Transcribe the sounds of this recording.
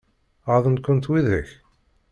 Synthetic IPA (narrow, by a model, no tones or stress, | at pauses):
ɑðˤən̚kʷːʊnt̪wiðəç